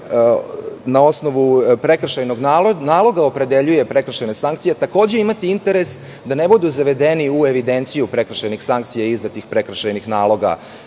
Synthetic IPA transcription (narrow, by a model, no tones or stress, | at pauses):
nao̞sno̞ʋupɾe̞kɾ̩ʃajno̞ɡnanaːlˠo̞ɡao̞pɾe̞d̪e̞ʎujepɾe̞kɾ̩ʃajnesaŋkt̪ijet̪ako̞ːd͡ʑe̞imat̪iint̪e̞ɾe̞s | d̪ane̞bud̪uzaʋe̞d̪e̞niueʋid̪e̞nt̪sijupɾe̞kɾ̩ʃajnixsaŋkt̪sijaizd̪at̪ixpɾe̞kɾ̩ʃajnixnaːlˠo̞ɡa̰